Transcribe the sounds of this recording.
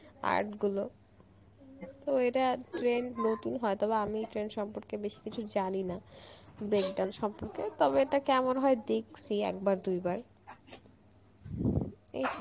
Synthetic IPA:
a̰ɾʈɡulo | t̪oeʈaʈɾennot̪unɦɔet̪ɔbeamiʈɾenʃɔmpoɾkebeʃi̥kit͡ɕʰud͡ʑaninabɾekɖanʃɔmpoɾket̪ɔbeeʈakɛmonɦɔed̪eksʰiɛ̰k̚baɾd̪ujbaɾ | ḛjʰ

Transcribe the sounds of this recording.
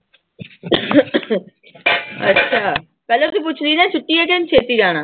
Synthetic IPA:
ə̰tːʃʰaː | pɛːlet̪iːpʊt͡ʃʰliːnɛ̃ːsʊʈːiːɛːk̬ent͡ʃʰeːt̪iːd͡ʒaːɽ̃aː

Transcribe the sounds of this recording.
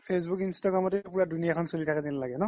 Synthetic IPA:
pʰes̬bukinstaɡɹamɔtɛpuɹadunijakʰɔnsolitʰakɛdinlaɡɛnɔ

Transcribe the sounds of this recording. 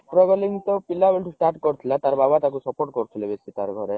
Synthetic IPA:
pɾɔɡɔliŋt̪ɔpilabɔlʈusʈaɾʈkɔɾt̪ʰilat̪aɾbabat̪akusɔpoɾʈkɔɾt̪ʰilebesit̪aɾɡʱɔɾe

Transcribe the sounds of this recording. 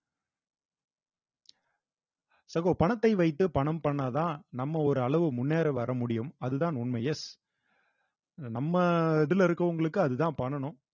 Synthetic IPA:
sɐɣoːpɐɳɐt̪ːɐɪʋɐɪt̪ːɯpɐɳɐmpɐɳːɐðãːnɐmːɐɔɾɯɐɭɐʋɯmʊnːeːɾɯʋɐɾɐmʊɽɪjɯmɐðɯðãːnʊɳmɐɪjɛs | nɐmːɐɛðɯlɪɾɯkːɐʋʊŋɡɐɭɯkːɯɐðɯðãːpɐɳɐɳʊ̃

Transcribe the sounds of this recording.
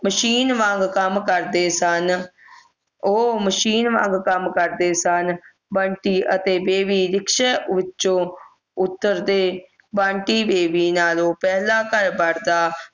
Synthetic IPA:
məʃiːnʋãŋɡkəmkəɾd̪eːsən | oːməʃiːnʋã̰ŋɡkəmkəɾd̪eːsən | bãːɳʈiːʔət̪eːbeːʋiːɾɪkʃɛːʋɪtːt͡ʃõː | ʊt̪ːəɾd̪eː | bãːɳʈiːbeːʋiːnaːlõːpɛːlaːkəɾbəɽd̪aː

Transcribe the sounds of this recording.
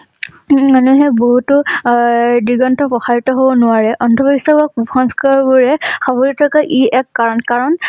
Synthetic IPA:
manuɦɛboɦutʊ | diɡɔntɔpɔxaɹitɔɦobɔnʊaɹɛʔɔndʱɔbɔsakakupxɔnskaɹbuɹɛxɔboɹitʰakaʔiɛkːaɹɔnkaɹɔn

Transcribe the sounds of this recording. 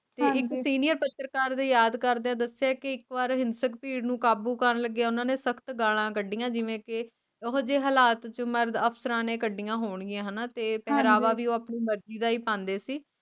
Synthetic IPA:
t̪eːɪksiːnɪjəɾpət̪ːɾəkaːɾd̪eːjaːd̪kəɾd̪eãːd̪əseaːkɪɪkʋaːɾɦɪ̃nd̪səkpiːɽnũːkaːbuːkənləɡjaːʊnãːneːsəkʰt̪ɡaːlãːkəɖːɪjãːd͡ʒɪʋẽːkɪ | oɦd͡ʒeːɦəlaːt̪t͡ʃəməɾd̪əpʰsəɾãːnẽːkəɖːijãːɦoːɳɡɪãːɦənaːt̪eːpɛɦɾaːʋaːʋiːoːaːpɳiːməɾd͡ʒiːd̪aːiːpãːnd̪eːsiː

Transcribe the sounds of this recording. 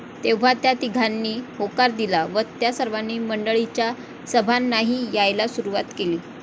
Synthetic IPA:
t̪eʋ̤at̪jat̪iɡʱanːiːhokaɾd̪ilaʋət̪jasəɾʋanːiːməɳɖəɭit͡ɕja | səbʱanːaɦijajlasuɾuʋat̪keliː

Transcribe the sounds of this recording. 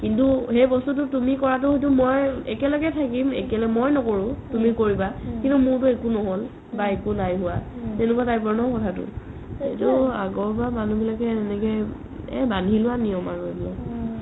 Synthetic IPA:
kintuɦebɔstutʊtumikɔɹatʊɦojt̬umɔjɛ̰kɛlɔɡɛtʰakimɛ̰kɛlɔmojnɔkoɹʊ̃tumikoɹibakintumʊɹtuekunɔɦol | baekunajɦʊwatɛ̃nɛkwataɹpɔnɔkɔtʰatʊ̰ | hejtuaɡɔɹbamanubilakɛɛnɛkɛ | ɛ̰banʱilʊanijɔma̰ɹuebilak

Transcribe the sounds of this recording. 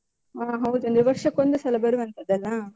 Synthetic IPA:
aːɦɐd̪ɐnd̪ɯʋɐɾʂɐ̃kːɔnd̪ɐ̃sɐlɐbɐɾɯʋɐnd̪ɐðɛlːãː

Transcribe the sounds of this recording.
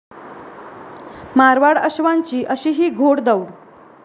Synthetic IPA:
maɾʋaɽəɕʋaɲt͡ɕiːʔəɕiːɦiːɡʱoɽd̪əwɽ

